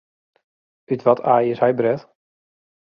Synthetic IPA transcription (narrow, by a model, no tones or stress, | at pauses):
ytʋɔtʰaːjəshɛjbrɛt